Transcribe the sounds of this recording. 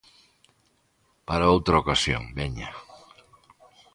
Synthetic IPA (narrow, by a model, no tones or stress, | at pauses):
paɾaowt̪ɾaokasjo̰ŋbɛɲa